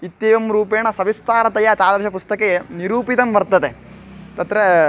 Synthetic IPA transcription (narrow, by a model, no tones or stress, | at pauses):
it̪jeːʋɐmɾuːpeːɳɐsɐʋist̪aːɾɐt̪ɐjat̪aːd̪ɐɾʃɐpust̪ɐkeeniɾuːpit̪ɐmʋɐɾt̪ɐd̪e | t̪ɐt̪ɾe